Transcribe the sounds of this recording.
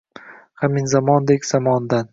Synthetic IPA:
haminzamɒnd̪ekʲz̥amɒnd̪an

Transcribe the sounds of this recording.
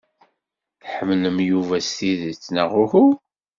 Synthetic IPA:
ħəmləmjuvæst̪iðət͡sːnəʁʊhu

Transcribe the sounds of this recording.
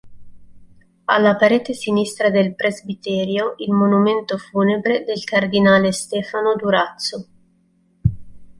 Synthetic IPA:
a̰lːapaɾeːt̪esinist̪ɾad̪elpɾezbit̪ɛːɾjoʔilmonument̪ofuːnebɾed̪elkard̪inaːlest̪ɛːfanod̪uɾat̪so

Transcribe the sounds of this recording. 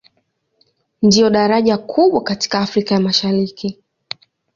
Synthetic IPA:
ndiɔɗaɾaʄakʰuɓwakati̥kaːfɾikajamaʃaɾiki

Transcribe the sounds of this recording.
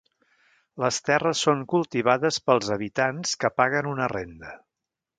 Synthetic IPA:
ləst̪ɛrəsːoŋkulˠt̪iβ̞aðəspəlˠzəβ̞it̪anskəpaɣənunərend̪ə

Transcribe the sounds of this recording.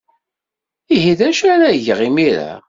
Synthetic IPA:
ihiðæʃæɾæʝʁimiɾa̰

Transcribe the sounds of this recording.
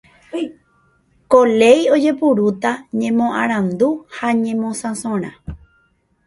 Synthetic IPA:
kole̞jo̞d͡ʒe̞puɾut̪aɲẽmõʔã̰ɾ̃ãnd̪uhaɲẽ̞mõsãsõɾ̃ã̰

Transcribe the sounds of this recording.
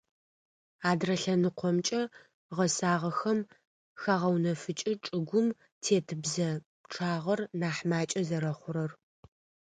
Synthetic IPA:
aːdrɐɬɐnɨqʷɔmt͡ʃʼɐ | ʁɐsaːʁɐxɐm | xaʁɐwnɐfɨt͡ʃʼɪʈ͡ʂʼɨɡʷʊm | tʰeːtʰɨbzɐ | ʈ͡ʂʰʼaːʁɐrnaːħmaːt͡ʃʼɐzɐɾɐχʷʊɾɐr

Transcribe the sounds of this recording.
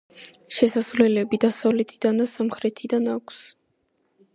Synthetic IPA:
ʃɛsasvlɛlɛbid̪asavlɛt̪ʰid̪and̪asamχɾɛt̪ʰid̪anakʰs

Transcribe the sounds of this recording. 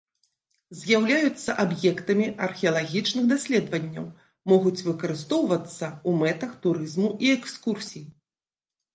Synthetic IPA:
zʲjawlʲajut̪sːɐʔabjɛkt̪ɐmʲiʔɐrxʲɛɐlˠaɣʲit͡ʂnɨɣd̪asʲlʲɛd̪vɐnʲːɐ̰w | mɔɣut͡sʲvɨkɐɾɨst̪ɔwvɐt̪sːɐumɛt̪ɐxt̪uɾɨzmuʔiɛkskursʲiji

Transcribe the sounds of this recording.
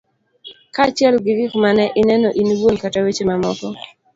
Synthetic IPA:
kat͡ʃjɛlɡɪɡɪkmanɛʔɪnɛnɔʔiniwonkatawet͡ʃemamɔkɔ

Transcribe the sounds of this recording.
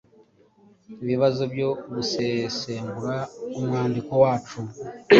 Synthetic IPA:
iβiβazobjo̞βusese̞ːmbuɾaomwaːndiko̞waːt͡ʃu

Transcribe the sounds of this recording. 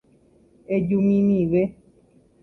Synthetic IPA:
ed͡ʒumĩmĩʋe

